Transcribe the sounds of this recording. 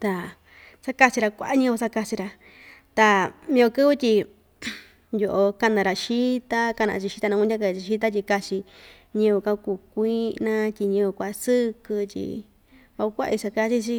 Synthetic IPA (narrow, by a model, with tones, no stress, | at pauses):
t̪a˧˨ | sa˦ka˦˧t͡ʃi˧ɾa˧kʷa̰˦ʔa˦ɲĩ˦˧o˧sa˦˧ka˧t͡ʃi˧ɾa˧ | t̪a˧mĩ˧o˧kɨ˦βɨ˦t̪ʲi˧ | jo˧ʔo˧ka˧nã˧ɾa˨ʃi˦t̪a˦ka˧nã̰˧t͡ʃi˧ʃi˧t̪a˧nã˧kʷũ˧˦a˦ka˧i˧ʃi˦t̪a˦t̬ʲi˧ka˧t͡ʃi˧ | ɲĩ˧βu˧ka˧kuː˧˨kʷiː˦nã˦tʲi˧ɲĩ˧kʷa˧sɨ˦kɨ˧tʲḭ˧ | βa˧u˧kʷa˦ʔi˧sa˧ka˦˧˦t͡ʃi˦t͡ʃi˦